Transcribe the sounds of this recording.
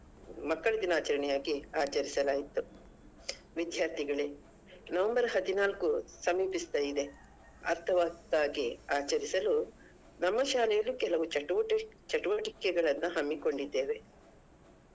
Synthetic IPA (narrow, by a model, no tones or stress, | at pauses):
mɐkːɐɭɐd̪inaːt͡ʃɐɾɐɳɛjaːɡiaːt͡ʃɐɾisɐlaːjit̪ːu | ʋid̪ʱjaːɾt̪ʰiɡɐɭe | nɐʋɐmbɐɾɦɐd̪inaːlkusɐmiːpist̪aːjid̪e̞ | ɐ̰ɾt̪ʰɐʋaːkt̪aːɡiaːt͡ʃɐɾisɐlu | nɐmːɐʃaːlɛjɐlːukɛlɐʋut͡ʃɐuʋɐʈt͡ʃɐʈuʋɐʈikɛɡɐɭɐnːuɦɐmːiko̞ɳɖid̪ːe̞ːʋe̞